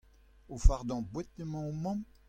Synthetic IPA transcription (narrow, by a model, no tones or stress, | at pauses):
ofaʁd̪ɑ̃bwɛt̪̚nəmɑ̃mɑ̃m